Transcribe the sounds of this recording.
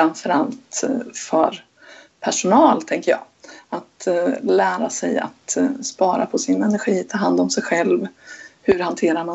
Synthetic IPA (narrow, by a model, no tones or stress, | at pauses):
anfœɾalt̪fœɾ | pʰæʂʊnɑːlt̪ʰɛŋkəjɑ̰ː | at̪læːɾasɛ̰ja̰t̪spɑːɾa̰pʰɔsɪnɛnæɾɧiːt̪ʰɑːɦand̪ɔmsɛjɧɛlvhɵɾhant̪ʰeːɾama